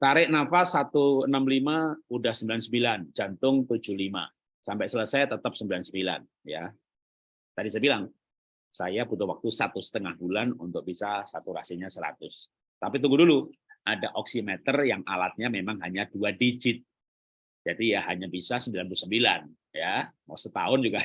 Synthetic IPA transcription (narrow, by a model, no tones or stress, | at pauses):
t̪aɾɪʔnafasːat̪uənamlimaudahsəmbilansəmbiland͡ʒant̪ʊŋt̪ud͡ʒʊhlima̰ | sampɛʔsulasajat̪ət̪əp̚səmbilansəmbila̰n | ja | t̪adisajabilaŋ | sajaput̪uwak̚t̪usat̪ʊsə̥t̪əŋahbulanunt̪ʊk̚bisasat̪uɾa̰sɪɲasəɾa̰t̪ʊs | t̪apit̪̬uŋɡudulu | ʔadaʔɔksimɛt̪ərjaŋalat̪̚ɲamemaŋɦaɲaduadid͡ʒɪt̪̚ | d͡ʒadijaɦaɲabisasəmbilanpulusəmbilan | jamasət̪a̰ʊnd͡ʒuɡa